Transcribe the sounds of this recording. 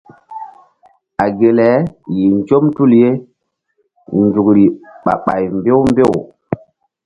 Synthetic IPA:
a˨ɡe˨lɛ˨˦ji˨nd͡ʒo˦mtu˦lje˦ | nd͡zu˨kɾi˨ɓa̰˨ɓa̰˨jmbe˦wmbe˦˨w

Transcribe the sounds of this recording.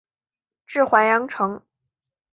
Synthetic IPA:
ʈ͡ʂɻ̩˥˩xwa˧˥njɑ˧˥ŋʈ͡ʂʰɤ˧˥ŋ

